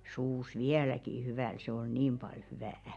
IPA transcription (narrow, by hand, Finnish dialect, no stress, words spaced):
suːs ʋiælæki hyʋæl se oi niːm b̥ɑl hyʋæˑæ